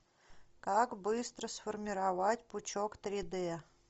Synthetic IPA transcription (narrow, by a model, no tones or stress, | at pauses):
kakbɨst̪ɾəsfərmʲɪɾavatʲpʊt͡ɕokt̪ɾʲɪd̪ɛ